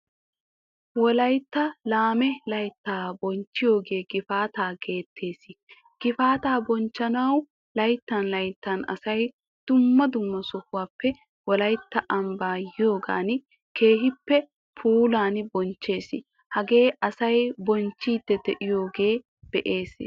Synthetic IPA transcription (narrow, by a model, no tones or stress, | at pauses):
wɔlɐjt̪ːɐlaːmɛlɐjt̪ːaːbɔnt͡ʃːɪjo̞ːɡe̞ːɡɪfaːt̪aːɡe̞ːt̪ʰːe̞ːsɪ | ɡ̥ɪfaːt̪aːbɔnt͡ʃːɐnɐw | lɐjt̪ːɐnlɐjt̪ːɐnɐ̰sɐj | d̪̥ʊmːɐd̪ʊmːɐsɔhʊwaːpːɛ | wɔlɐjt̪ːɐʔɐmbaːjɪjo̞ːɡa̰ːn | ke̞ːɦɪpːɛ | pʰuːlaːnbɔnt͡ʃːe̞ːsɪ | hɐɡe̞ːʔɐsɐjbɔnt͡ʃːiːd̪ːɛd̪ɛʔɪjo̞ːɡeː | b̪̥ɛʔe̞ːs